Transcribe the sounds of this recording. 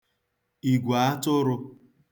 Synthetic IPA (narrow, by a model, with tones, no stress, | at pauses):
i˨ɡʷa˨a˦tʊ˦ɾʊ˧